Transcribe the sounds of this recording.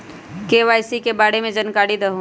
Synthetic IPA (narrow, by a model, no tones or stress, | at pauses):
keːʋaːjsikebaːɽemẽd͡ʒənkaːɽid̪əɦũ